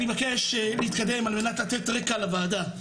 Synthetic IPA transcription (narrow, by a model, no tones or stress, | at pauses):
levake̞ʃleit̪kad̪e̞malme̞natlat̪et̪ʁekalavaːda